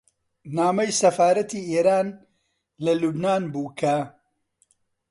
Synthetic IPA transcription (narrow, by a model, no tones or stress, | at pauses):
naːmɐjsɐfaːɾɐt̪ʰiːeːɾaːn | lɐlubnaːnbuːkʰɐ